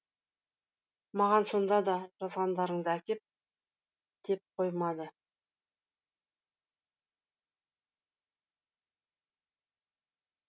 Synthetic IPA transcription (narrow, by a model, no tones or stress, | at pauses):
mɑʁɑnso̞nd̪ɑd̪ɑʒɑzʁɑnd̪ɑɾəɴd̪əækʲe̞p̚ | d̪̥e̞p̚qʰojmɑd̪ə